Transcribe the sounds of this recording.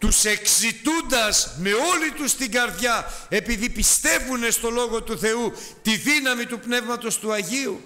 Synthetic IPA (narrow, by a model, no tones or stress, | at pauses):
t̪use̞ksit̪und̪ɐzme̞o̞lit̪ust̪iɡɐɾðʝɐe̞piðipist̪e̞vune̞st̪o̞lo̞ɣo̞t̪uθe̞u | t̪iðinɐmit̪upne̞vmɐt̪o̞st̪uɐʝiu